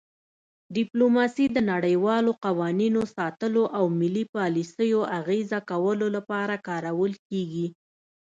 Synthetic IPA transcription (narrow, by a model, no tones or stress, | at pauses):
ɖɪplomɑsid̪ənaɽəjwɑloqawɑninosɑt̪əloʔawmɪlipɑlisəjoʔaɣezakawəlolapɑɾakɑɾawəlkeɡi